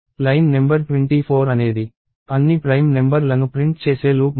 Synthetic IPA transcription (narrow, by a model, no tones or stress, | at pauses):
pɾɐjmnembɐɾʈʋeɳʈiːpʰoːɾɐne̞ːd̪i | ɐnːipɾɐjmnembɐɾlɐnupɾiɳʈ̚t͡ʃeːseːluː